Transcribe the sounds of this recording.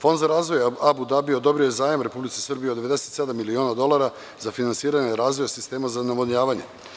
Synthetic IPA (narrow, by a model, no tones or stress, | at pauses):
fo̞nd̪zaɾaːzʋo̞jabud̪abieo̞d̪o̞bɾiojezaːjamɾe̞publit̪sesr̩bijed̪eʋe̞d̪ese̞t̪sed̪amːilioːnad̪o̞lˠaɾa | zafinansiːɾaɲeɾaːzʋo̞jasist̪e̞ːmazanamoɲaːʋaɲe̞̰